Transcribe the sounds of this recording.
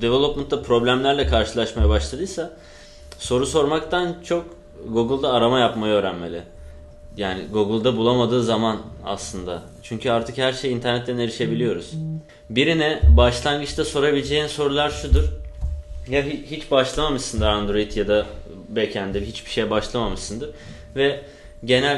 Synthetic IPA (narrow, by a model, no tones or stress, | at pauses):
d̪evelˠopmant̪ːapʰɾo̞blʲæmlʲæɾlʲɛkʰaɾʃɯlˠaʃmajabaʃlˠad̪ɯjsa | so̞ɾuso̞ɾmakt̪ʰant͡ʃʰo̞k | ɡuɡɯlˠd̪aːɾamajapmajaøːɾænme̞lʲɪ | jaːnɪ̰ɡuɡɯlˠd̪abulˠamad̪ɯːzamana̰slˠɯnd̪a̰ | t͡ʃʰyɲcʰyaɾt̪ʰɯkhæɾʃejint̪ʰæɾnɛt̪ːɛne̞ɾiʃe̞bilʲijo̞ɾuz̥ | biɾinɛbaʃlˠaŋɡɯt͡ʃt̪ʰaso̞ɾabilʲd͡ʒeːniso̞ɾulˠaɾʃud̪uɾ̥ | jaɦihit͡ʃbaʃlˠamamɯʃsɯnd̪ɯɾand̪ɾo̞jit̪jad̪a | becʰænd̪iɦit͡ʃbiʃe̞jɛbaʃlˠamamɯʃsɯnd̪ɯɾ | vɛ | ɟe̞nælʲ